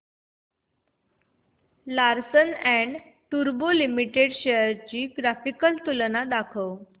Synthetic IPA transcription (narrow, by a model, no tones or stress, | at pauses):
laɾsənæ̃ɳ | ʈuɾbolimiʈeɽɕəɾt͡ɕiːɡɾafikəlt̪ulnad̪akʰəw